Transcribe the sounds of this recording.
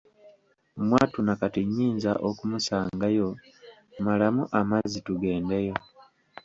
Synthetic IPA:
mwaːtunakatiɲːiːnza̰ʔokumusaːŋɡajo̞ | malamuʔamazituɡe̞ːndejo̞

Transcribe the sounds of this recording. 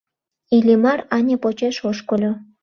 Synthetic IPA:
ilʲimɑrɑnʲepot͡ɕeʃoʃkolʲo

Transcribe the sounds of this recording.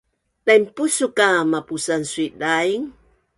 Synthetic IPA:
lajmpusukamapusansuiʔdaiŋ

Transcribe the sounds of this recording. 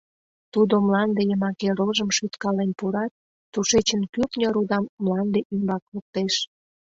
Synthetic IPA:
t̪ud̪omlɑnd̪ejəmɑkeɾoʒəmʃyt̪kɑlenpuɾɑt̪̚ː | uʃet͡ɕənkyknʲəɾud̪ɑmːlɑnd̪eʔymbɑklək̚t̪eʃ

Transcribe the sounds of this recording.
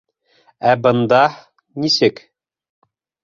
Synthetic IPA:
æbɤ̆nd̪ɑ | nisɘk

